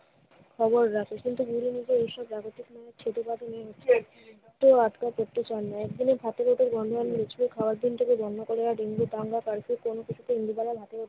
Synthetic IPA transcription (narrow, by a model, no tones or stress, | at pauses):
kʰɔboɾːakʰekint̪uɡuɾinid͡ʑeejʃɔbɾaɡot̪ikmɔɦeɾt͡ɕʰet̪ubat̪inieɦotːɕʰe | k̚ʈoad̪kapoɾt̪et͡ɕanːaɛk̚d̪inebʱat̪eɾoʈeɾbɔnɖ̪ʱoanːiet͡ɕʰulekʰaoaɾd̪ʱinʈ̪ʰekebɔnːokoɾeaɖiŋɡot̪aŋɡakaɾkʰekonokit͡ɕʰut̪eind̪ibalabʱat̪eoʈ